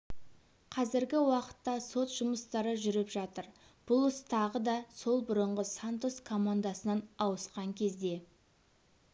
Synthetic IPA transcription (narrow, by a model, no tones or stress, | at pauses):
qʰɑzɪɾɡʲɪwɑqə̥t̪ːɑso̞t̪ʒ̥ʊməst̪ɑɾəʒʏɾɪpʒɑt̪əɾ | b̥ʊlˠəst̪ʰɑʁəd̪ɑso̞lˠbʊɾəɴʁəsant̪oskʰo̞mand̪asənɑnɑwəsqɑŋkʲʰe̞zd̪e̞